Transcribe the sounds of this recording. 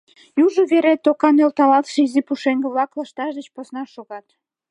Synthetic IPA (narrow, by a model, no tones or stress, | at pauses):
juʒoβeɾet̪ːokɑnelt̪ɑlɑt̪ʃeizipuʃeŋɡĕβlɑklɑʃt̪ɑʃd̪ət͡ɕposnɑʃoɣɑt̪